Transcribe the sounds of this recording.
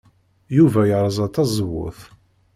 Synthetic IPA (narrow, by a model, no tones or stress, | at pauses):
juvæjəɾˤəzˤɑt̪ːɑzˤəwːʊ̰θ